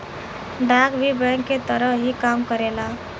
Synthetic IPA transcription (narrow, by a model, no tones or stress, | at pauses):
ɖaɡʋibəŋkːet̪əɾəɦikamkəɾela